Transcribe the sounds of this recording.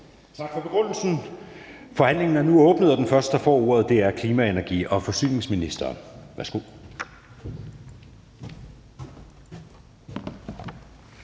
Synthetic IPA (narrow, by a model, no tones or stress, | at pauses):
t͡sʰɑ̈ɡ̥fɒ̽b̥e̝ɡ̥ʁɔn̰l̩sn̩ | fɒ̽hæn̰le̝ŋn̩æɐnuɔ̽ːb̥nəð̩ˠɒ̽d̥enfɶɐsd̥d̥ɑ̈fɒ̰ːo̝ɐð̞̩ˠd̥e̝æɐkʰliːmæenæɐɡ̥ḭːɒ̽fɒ̽sy̰ːne̝ŋsminisd̥ɐːʋæɐsɡ̥o̝ð̰ˠ